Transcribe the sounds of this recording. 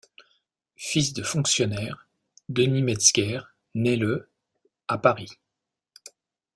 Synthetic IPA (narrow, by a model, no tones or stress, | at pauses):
fis̬d̪əfɔ̃ksjɔnɛʁ | d̪ənimɛt̪skʲɛʁ | nɛlə | apaʁi